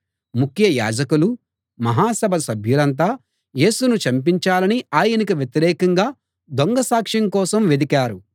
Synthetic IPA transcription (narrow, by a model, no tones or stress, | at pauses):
mukʰjɐja̰ːd͡ʒɐkulu | mɐɦaːsɐbʱɐsɐbʱjulɐnt̪̬aː | je̞ːsunut͡ʃɐmp̬iɲt͡ʃaːlɐniaːjɐnikiʋjet̪iɾɛːkɐŋɡaː | d̪oŋɡɐsaːkʂiŋkɔːsɐmʋed̪ikaːɾu